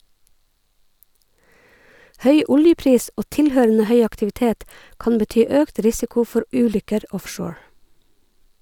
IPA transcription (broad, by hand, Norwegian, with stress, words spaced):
ˈhœʏ ˈʊljəˌpɾiːs ˈʔoː ˈtɪlˌhøːɾənə ˈhœʏ ɑktɪʋɪˈteːt ˈkɑn bəˈtyː ˈøːkt ˈɾɪsɪkʊ ˈfɔɾ ˈʔʉːˌlʏkəɾ ˈɔfʃoːɹ